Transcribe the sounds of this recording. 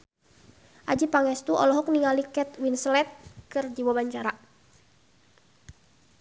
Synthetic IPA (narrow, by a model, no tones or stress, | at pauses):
ʔad͡ʒipaŋɛst̪uʔɔ̰lɔɦɔk̚niŋalikɛt̪̚winslɛt̪̚kɨrd͡ʒiwɔbaɲt͡ʃaɾa